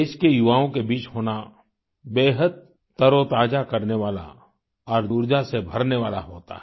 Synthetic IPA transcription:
eːʃkejʊʋaːõkebiːt͡ʃɦoːna | beːɦəd̪̚ | t̪əɾot̪aːd͡ʒakɐɾneʋaːla̰ | ɔːɾd̪uːɾd͡ʒasebʱɐɾneʋaːla̰ɦoːt̪a̰ɦ

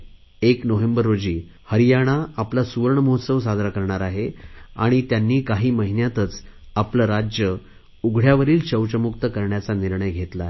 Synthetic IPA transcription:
eknoʋembəɾːod͡ʑiː | həɾijaɽ̃aːplasuʋəɾɳəmoɦot̪səʋs̬ad̪ʱɾakəɾɳaɾaɦea̰ɽ̃it̪janːiːkaɦiːməɦinjat̪ət͡sapləɾad͡ʑjə | uɡʱɽjaʋəɾiːlt͡ɕəwt͡ɕəmukt̪əkəɾɳjat͡saniɾɳəjɡʱet̪la

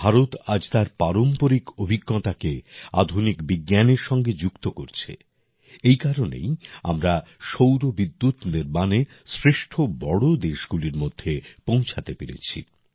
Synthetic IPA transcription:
bʱaɾot̪ad͡ʑt̪aɾpaɾompoɾikobʱiɡːot̪akea̰d̪ʱunikbiɡjaneɾʃɔŋɡed͡ʑukt̪okoɾt͡ɕʰḛ | ejkaɾonḛja̰mɾaʃowɾobid̪ːut̪niɾbane | sɾeʃʈʰobɔɽod̪eʃɡuliɾmod̪ʱːepõw̃t͡ɕʰat̪epeɾḛt͡ɕʰḭ

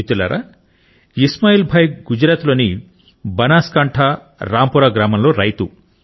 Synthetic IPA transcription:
it̪ulɐ̰ːɾʔa̰ | ismaːjiːlbʱɐjɡud͡ʒɾaːt̪loːni | bɐnaːskɐɳʈʰa | ɾaːmpuɾaːɡɾaːmɐmlo̞ːɾɐjt̪u

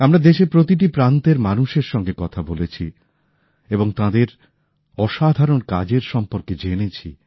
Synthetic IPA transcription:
amɾad̪eʃepɾot̪iʈipɾãnt̪eɾmanuʃeɾʃɔŋɡekɔt̪ʰabolet͡ɕʰi | eboŋt̪ãd̪eɾ | ɔʃad̪ʱaɾonka̰d͡ʑeɾʃɔmpoɾked͡ʑenet͡ɕʰḭ

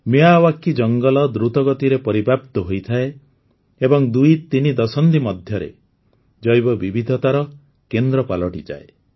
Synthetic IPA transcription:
miawakːid͡ʒɔŋɡɔlɔd̪ɾut̪ɔɡɔt̪iɾepɔɾibʱapt̪ɔɦojt̪ʰae | ebɔŋd̪ujt̪inid̪ɔsɔnt̪imɔd̪ʱjɔɾḛ | d͡ʒɔjbɔbibʱid̪ʱɔt̪aɾɔ | kend̪ɾɔpalɔʈid͡ʒa̰e

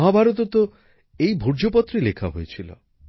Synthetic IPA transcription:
ɦabʱaɾɔt̪ɔt̪ɔ | ejbʱuɾd͡ʒopɔt̪ːɾilekʰaɦojet͡ʃʰilɔ̰

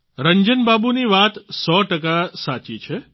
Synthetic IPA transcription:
ɾəɲd͡ʒənbabuniʋat̪sɔʈək̬asat͡ʃit͡ʃʰe

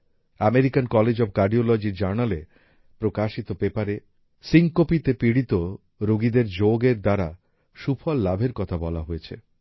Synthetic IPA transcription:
ameɾikankɔled͡ʑɔb̚kaɾɖiolɔd͡ʑiɾd͡ʑaɾnale | pɾokaʃit̪opepaɾe | siŋkopit̪epiɽit̪o | ɾoɡid̪eɾd͡ʑoɡeɾd̪aɾa | ʃufʰɔlːabʱeɾkɔt̪ʰabɔlaɦojet͡ɕʰḛ

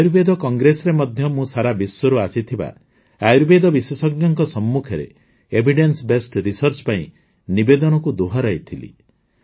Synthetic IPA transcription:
ajɾbed̪ɔkɔŋɡɾesɔɾemɔd̪ʱjɔmũsaɾabiswɔɾuasit̪ʰiba̰ | ajɾbed̪ɔbiswesɔɡnjɔŋkɔsɔmːukʰɔɾḛ | ebʱiɖensbesʈɾisɔɾt͡ʃpaĩ | nibed̪ɔnɔkud̪uɦaɾajt̪ʰilḭ

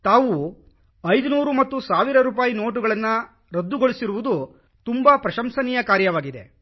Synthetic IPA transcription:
t̪aːʋu | ɐjd̪unuːɾumɐt̪ːusaːʋiɾɐɾuːp̬aːjino̞ːʈ̬uɡɐɭɐnːɐ | ɾod̪ːuɡoɭisiɾuʋud̪u | t̪umbɐpɾɐʃɐmsɐnijɐkaːɾjɐʋaːɡid̪e̞

